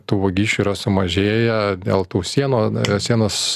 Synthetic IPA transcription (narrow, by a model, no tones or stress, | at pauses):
t̪uːʋɐɡʲiːʃʲt͡ʃʲuːiːɾɐsʊmɐʒʲeːjɛd̪ʲḛːlˠt̪uːsʲiɛnoːsʲiɛnoːs